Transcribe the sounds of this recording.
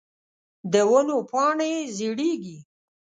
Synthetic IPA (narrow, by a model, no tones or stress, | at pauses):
d̪əwənopɑɳeziɽeɡi